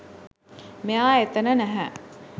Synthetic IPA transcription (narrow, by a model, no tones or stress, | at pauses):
mejaːet̪ənənæɦæ